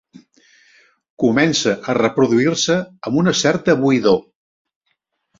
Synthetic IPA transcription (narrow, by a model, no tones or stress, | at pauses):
kumɛnsəʔərəpɾuðuirsəːmunəsɛrt̪əβuiðo